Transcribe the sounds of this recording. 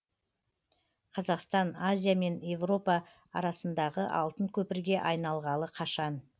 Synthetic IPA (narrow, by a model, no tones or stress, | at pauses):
qʰɑzɑqst̪ɑnazʲijame̞nje̞vro̞pɑ | ɑ̰ɾɑsənd̪ɑʁəʔɑ̰lˠt̪əŋkʲʰɵpɪɾɡʲe̞ʔɑjnɑlˠʁɑlˠəqʰɑʃɑn